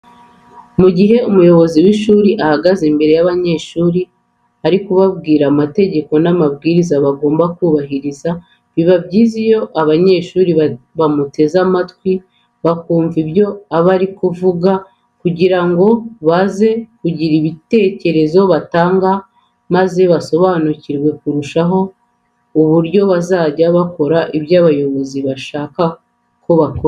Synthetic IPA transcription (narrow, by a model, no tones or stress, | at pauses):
muɟiɦe̞umujo̞βo̞ziwiʃuːɾiʔahaɡazembe̞ɾe̞jaβaɲe̞ːʃuːɾi | aɾikuβabɡiːɾamate̞ɟe̞ko̞namabɡiːɾizaβaɡo̞ːmbakuːβaɦiɾiza | βiβabɟiːzijo̞ʔaβaɲe̞ːʃuːɾiβamute̞zamatkwi | βakuːɱvibjo̞aβaɾikuvuɡa | kuɟiɾaŋɡo̞βaze̞kuɟiɾiβite̞ːce̞ɾe̞zo̞βataːŋɡa | maze̞βaso̞βaːnuciɾwe̞kuɾuʃaɦo̞ | uβuɾɟo̞βazaːɟaβako̞ɾaʔiβjaːβajo̞βo̞ziβaʃaːka | ko̞βakoɾ